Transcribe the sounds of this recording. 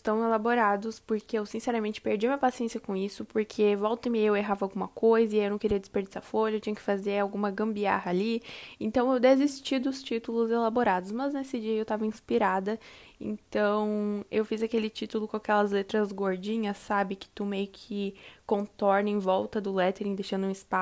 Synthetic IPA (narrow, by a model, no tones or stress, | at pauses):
ɪst̪ɐ̃w̃elaboɾad̪ʊspoɾkeewsĩsɛɾɐmẽnt͡ʃɪ̥peɾd͡ʒiɐmĩɲɐpasiẽsiɐkõisʊpoɾkʰevɔwt̪ɐ̃mijeweɦavawɡũmɐkojzɐɪajiwnɐ̃w̃keɾiɐd̪ɪspeɾd͡ʒisɐfoʎɐewt͡ʃĩɲɐkɪ̥fazeɾawɡũmɐɡɐ̃mbia̰ɦɐːliẽnt̪ɐ̃w̃ewd̪ezist͡ʃid̪ʊst͡ʃit̪ulʊzelaboɾad̪ʊsmɐznesɪd͡ʒiɐewt̪avɐĩspiɾad̪ɐḛ̃nt̪ɐ̃w̃ewfizakelɪt͡ʃit̪ʊlʊkõakɛlɐzlet̪ɾɐzɡoɾd͡ʒĩɲɐsːabɪkɪ̥t̪umejʊkʰɪkõt̪ɔɾnɪẽvɔwt̪ɐd̪ʊlɛt̪eɾẽd̪ejʃɐ̃nd̪ʊũɪspa